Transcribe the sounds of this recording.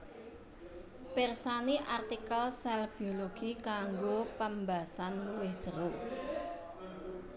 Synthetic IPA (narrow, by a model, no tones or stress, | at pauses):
pɛrsaniʔart̪ikəlsɛlb̥ioloɡ̥ikaŋɡopəmbasanluwɪhd̥ʒ̥əɾo